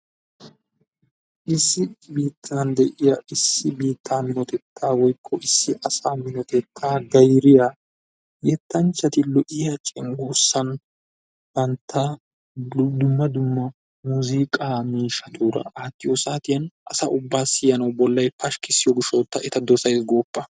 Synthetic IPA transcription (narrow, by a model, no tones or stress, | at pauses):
ʔɪsːɪbiːt̪ʰːand̪ɛʔɪjɐɪsːɪbiːt̪ʰːaːmɪnɔt̪ɛt̪ʰːaːwɔjkʰːɔʔɪsːɪʔɐsaːmɪnɔt̪ɛt̪ʰːaːɡɐjɾɪja | jɛt̪ːɐnt͡ʃːɐt̪ɪlɔʔɪjɐt͡ʃʼɪŋɡuːsːɐn | bɐnt̪ʰːaː | d̪ʊmːɐd̪ʊmːɐ | muziːkʼaːmiːʃɐt̪ʰuːɾɐ̰ʔaːt̪ːɪjɔsaːt̪ɪjɐnʔɐsɐʔʊbːaːsɪjɐnɐwbɔlːɐjpɐʃkɪsːɪjɔɡɪʃot̪ːɐɛt̪ɐd̪ɔsɐjsɡo̞ːpːɐ